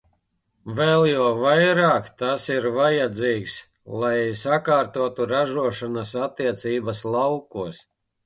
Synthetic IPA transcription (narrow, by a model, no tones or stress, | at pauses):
vɛlˠjuːvajɾaːkt̪asiɾvajad̪ziːks | lˠajsakaːɾt̪uɔt̪uɾaʒuɔʃanasat̪ːiɛt̪siːbaslˠawkuɔs